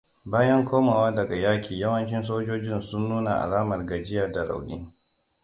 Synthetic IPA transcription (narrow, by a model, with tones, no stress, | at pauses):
baː˦jɐ˦ŋkʷoː˦maː˨waː˦dɐ˨ɡa˨jaː˦kʲʰiː˨jɐ˦wɐ˦nt͡ʃɪ˦ns̬oː˦d͡ʒoː˦d͡ʒɪ˦nsʊ˦nːuː˦na˨ʔa̰˨laː˦mɐ˨rɡa˨d͡ʒɪ˦jaː˨da˨ɽa̰˨wlɪ̰˦ŋ